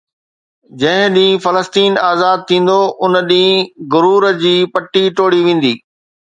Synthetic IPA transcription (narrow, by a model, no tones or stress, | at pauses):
d͡ʑɐ̃ɦɪ̃ɗĩːfɐləst̪iːnaːzaːd̪̚t̪ʰĩːn̆d̪oʔʊnɗĩːɡʊɾuːɾə̆d͡ʑiːpɐʈːiʈoːɽiʋẽːn̆d̪iː